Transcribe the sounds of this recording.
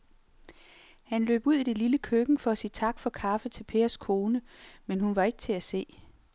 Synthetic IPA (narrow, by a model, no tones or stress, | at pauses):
hænlø̰ːb̥uð̞̰ˠid̥e̝liləkʰøɡ̥ŋ̩fɒ̽æsḭːt͡sʰɑ̈ɡ̥fɒ̽kʰɑ̈fət͡sʰe̝lpʰe̝̰ːɐskʰo̝ːnəmenhunʋɑ̈e̝ɡ̥ət͡sʰe̝æse̝̰ː